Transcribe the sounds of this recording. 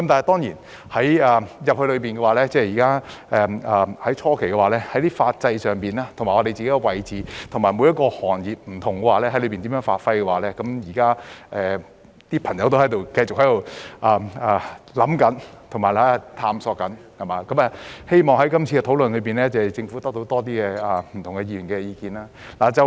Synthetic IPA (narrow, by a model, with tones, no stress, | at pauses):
kɐ˦mt̪aː˨nhjt̪ɔː˥ŋjiː˨˩n | hɐ˨˥jɐː˨˩jɐ˨p̚hɵ˧ɥlɵ˨˧ɥpi˨nɡɛ˧waː˨lɛː˥t͡sɛː˥jiː˨˩kaː˥ʔɛː˨ɐː˨hɐ˨˥jt͡ʃʰɔː˥kʰe˨˩jkɛ˧waː˨˩lɛː˥hɐ˨˥jt̪iː˥faː˧t̚t͡sɐ˧jsœː˨ŋpiː˨naː˥t̪ʰʊ˨˩ŋa˨˩ŋɔ˧ɾe˨jt͡siː˨ke˨˥jkɛ˧wɐ˨jt͡siː˨t̪ʰʊ˨˩ŋmaː˨˩jmu˨˧˥jɐ˥tkɔː˧hɔː˨˩njiː˨p̚m̩˨˩t̪ʰʊ˨˩ŋkɛː˧waː˨˧lɛː˥hɐ˨˥jlɵ˧ɥpiː˨nt̪iː˨˥mœː˨˥ŋfaː˧t̚fɐ˧jkɛ˧waː˨˩lɛː˥kɐ˨˥mjiː˨˩kaː˥ʔɛː˨ | t̪iː˥pʰɐ˨˩ŋjɐ˨˥wt̪o˥hɐ˨˥jt̪o˨wkɐ˧jt͡sʊ˨k̚hɐ˨˥jt̪o˨˧wʔaː˨˩ɐ˨lɐ˨˥mkɐ˨˥nt̪ʰʊ˨˩maː˨˩lɐ˥˨˩t̪ʰaː˧msɔː˧kɐ˨˥nhɐ˨˩maː˨˥kɐ˨˥mɐ˨˧he˥jmɔː˨ŋhɐ˨˥jkɐ˥mt͡sʰiː˧kɛ˧t̪ʰo˨˥wlɵ˨nlɵ˨˧piː˨nlɛː˥t͡sɐ˨˩t͡sɪ˧ŋfu˨˥t̪ɐ˥k̚t̪o˧˥wt̪ɔː˥t̪̬iː˥kɛː˧ɐ˨˩m̩˨˩t̪ʰʊ˨˩ŋkɛ˧jiː˧˩y˨˩nkɛː˧jiː˧kiː˧naː˥ | laː˨˩t͡sɐ˨